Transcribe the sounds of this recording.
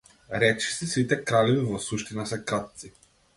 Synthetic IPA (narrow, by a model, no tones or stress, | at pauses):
ɾɛt͡ʃi̥sisit̪ɛkɾalɛvivɔsuʃt̪inasɛkɾat̪̚si